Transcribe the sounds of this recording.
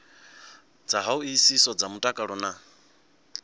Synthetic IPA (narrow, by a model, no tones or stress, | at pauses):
d͡zaɦauiisisɔd͡zamutʼakʼaɺɔna